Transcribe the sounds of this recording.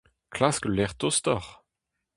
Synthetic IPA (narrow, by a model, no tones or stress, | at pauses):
kʰlasklɛʁt̪ɔst̪ɔʁ